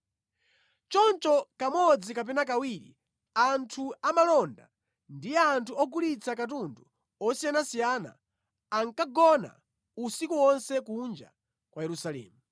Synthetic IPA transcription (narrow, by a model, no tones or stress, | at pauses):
t͡ʃɔnt͡ʃɔkamɔd͡zikap̬ɛnakawiɾḭ | antʰuamalɔnda | ndijɛantʰuɔɡulit͡sʰakatundu | ɔsijanasijana̰ː | ŋkaɡɔna̰ | usikuwɔnsɛkund͡ʒa̰ | kwajɛɾusalɛ̰ːmu